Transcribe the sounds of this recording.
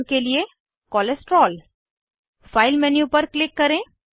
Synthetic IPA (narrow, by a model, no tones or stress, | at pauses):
kelie | kɔːlesʈɾɔːl | faːɪlmɛnjupəɾklɪkːəɾẽ